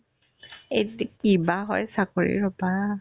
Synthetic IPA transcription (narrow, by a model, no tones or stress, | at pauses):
etkibaɦɔjsakoɹḭɹɔpaɹa